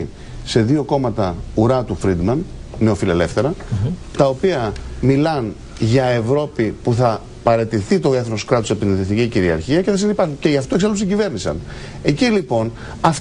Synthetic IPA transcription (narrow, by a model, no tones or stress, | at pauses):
se̞ðio̞ko̞mɐt̪ɐuɾɐt̪ufɾid̪mɐnne̞o̞file̞le̞fθe̞ɾɐt̪ɐo̞piɐmilɐn | ʝɐe̞vɾo̞pipuθɐ | pɐɾe̞t̪iθit̪o̞eθoskɾɐt̪osepot̪inθisθiciciɾiɐ̰ɾçiɐce̞θɐs̬inipɐɾxuce̞ʝɐft̪oksɐlsiɟive̞ɾnisɐ̰n | e̞cilipo̞n | ɐf